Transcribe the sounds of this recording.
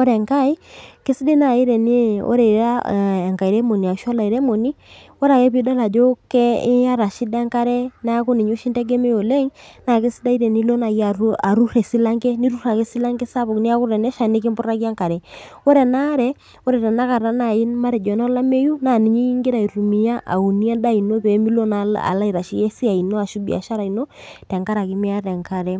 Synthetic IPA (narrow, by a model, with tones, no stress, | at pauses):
ɔ˦ɾɛ˨ŋka˦i˦ke˦si˦de˦na˨i˦ɾɛ˨ni˦ɔ̰˦ɾɛ˨ɾa˦˨ŋka˨i˨ɾɛ˦mo˨ni˨a˨ʃɔ˦la˨i˨ɾɛ˦mɔ˨ni˦ | ɔ˦ɾa˨kɛ˦pi˦da˦la˨d͡ʒɔ˦kɛ˦a˦ɾa˨ʃi˦dɛ˦ŋka˦ɾɛ˦na˦ko˦ni˨ɲo˦ʃi˦ndɛ˦ɡɛ˦mɛ˦jo˨lɛ˦ŋna˨ke˦si˦da˦i˦ɾɛ˨ni˦lo˦na˨ji˦a˨a˨ɾu˦ɾɛ˨si˦la˦ŋɡɛ˦ni˦ɾu˦ɾa˨ke˦si˦la˦ŋɡɛ˦sa˦βo˨kni˦a˦ku˦ɾɛ˨nɛ˦ʃa˨ni˦ki˦mbu˦ɾa˦ki˦a˦ŋka˨ɾɛ˨o˦ɾɛ˨na˦ɾɛ˨ | o˦ɾɛ˨tɛ˨na˦ka˨ɾa˦na˨i˦nma˦ɾɛ˨d͡ʒɔ˨nɔ˦la˦me˦ju˦na˨ni˨ɲi˦ŋɡɪ˦ɾa˨i˨ɾu˨mi˨ja˦ʔa̰˨u˨ni˦a˦da˦i˨no˦pe˨˦mi˦lo˦na˦a̰˨la˦i˨ɾa˨ʃi˦je˦si˦a˨i˨no˦a˨ʃu˦bḭ˨a̰˨ʃa˦ɾa˨i˨no˦tɛ˨ŋka˦ɾa˨ki˦mi˦a˦ɾɛ˨ŋka˨ɾɛ˦